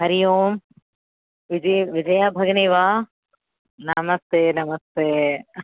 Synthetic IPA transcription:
ɦɐɾijoːm | ʋid͡ʒʋid͡ʒɐjaːbʱɐɡɐniʋaː | nɐmɐst̪eːnɐmɐst̪eː

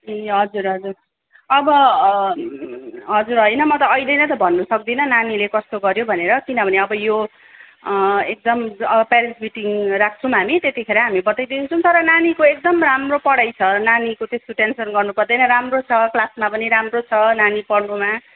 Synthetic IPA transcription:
eɦʌd͡zuɾɦʌd͡zur | ʌbʌ | ɦʌd͡zuɾɦʌjnʌmʌt̪ʌːjlejnʌt̪̬ʌbʱʌnːusʌkd̪inʌnanilekʌst̪oɡʌɾjobʱʌneɾʌkinʌbʱʌneʌbʌjo | ek̚d̪ʌmʌbʌpeɾismiʈiŋrak̚ʰt͡sʰʌ̃w̃ɦamit̪et̪ikʰeɾʌɦamibʌt̪ajd̪int͡sʰʌ̃w̃t̪ʌɾʌnanikoek̚d̪ʌmramropʌɽʌjt͡sʰʌnanikot̪est̪oʈensʌnɡʌrnupʌrd̪ʌjnʌɾamrot͡sʰʌklasmapʌniɾamrot͡sʰʌnanipʌɽnuma

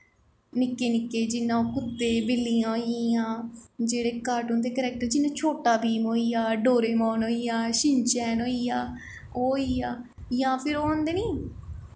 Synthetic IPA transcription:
nɪkːeːnɪkːeːd͡ʒɪnːãːoːkʊd̪eːbɪlːijãːɦoiãːd͡ʒeːɽeːkaːɾʈuːnd̪eːkəɾɛːk̚ʈəɾd͡ʒɪnːãːt͡ʃʰoːʈaːbiːmɦoːiːjaːɖoːɾeːmɔːnoːijaːʃɪɲt͡ʃɛːnoːijaː | oːiːjaː | jãːpʰɪɾoːɔ̃ːnd̪eːniː

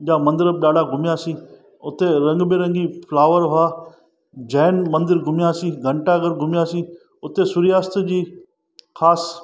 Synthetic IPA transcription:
ʄãːmɐ̃nd̪ɪɾəb̚ɗaːɖaɡʱʊmɪjasĩː | ʊt̪eɾɐ̃ŋɡbeɾə̃ŋɡipʰlaːʋəɾɦʊaː | d͡ʑaːnmɐ̃nd̪ɪɾɡʱʊmjasĩːɡʱəɳʈaɡəɾɡʱʊmjaːsĩː | ʊt̪esʊɾɪjaːst̪d͡ʑiː | xʰaːs

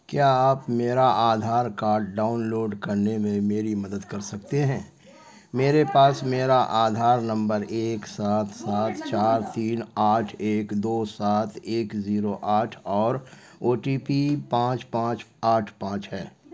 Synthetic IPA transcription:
kjaːaːpmeːɾaʔaːd̪ʱaːɾkaːɾɖːaːʊnloːɖkɐɾnemẽmeːɾimɐd̪əd̪kɐɾsɐkt̪eɦɛ̃ː | meːɾepaːsmeːɾaʔaːd̪ʱaːɾnɐ̃mbəɾeːksaːt̪ʰsaːt̪ʰt͡ʃaːɾt̪iːnaːʈʰeːkd̪oːsaːt̪ʰeːkziːɾoʔaːʈʰɔːɾ | oːʈiːpipãːt͡ʃpãːt͡ʃaːʈʰpãːt͡ʃɦɛː

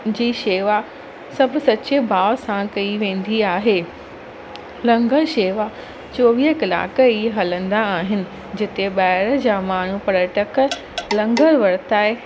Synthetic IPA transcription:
d͡ʑiːʃeːʋa | sɐb̆ʱsɐt͡ɕebʱaːsãkɐiʋẽːn̆d̪iaːɦeː | lɐ̃ŋɡəɾʃeːʋa | t͡ɕoːʋiːɦəkɐla̰ːkəiɦɐlə̃nd̪aːɦɪnɪ̆ | d͡ʑɪt̪eɓaːɪɾd͡ʑaːmaːɳ̤upɐɽəʈək | lɐ̃ŋɡəɾʋɐɾt̪aːe

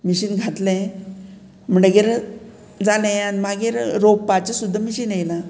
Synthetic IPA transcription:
miɕiːnɡʱat̪lẽ | m̤əɳɖəɡeɾ | d͡zalẽanimaɡeɾɾobpat͡ɕasud̪ʱːamiɕiːnejla

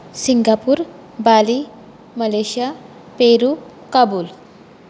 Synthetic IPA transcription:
siŋɡapuːɾ | bali | məleɕja | peɾu | kabuːl

